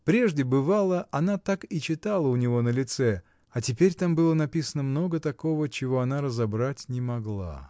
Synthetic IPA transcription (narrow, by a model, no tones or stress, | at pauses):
pɾʲe̞ʐdʲɪbɨvalˠəʔɐnat̪akit͡ɕɪt̪alˠəʊnʲɪvo̞nəlʲɪt̪sɛ | ɐtʲɪpʲeɾʲt̪ambɨlˠənɐpʲisənəmno̞ɡət̪ɐko̞vət͡ɕɪvo̞ɐnaɾəzɐbɾatʲnʲɪmɐɡlˠa̰